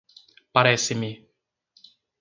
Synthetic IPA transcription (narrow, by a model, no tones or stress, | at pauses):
paɾɛsimi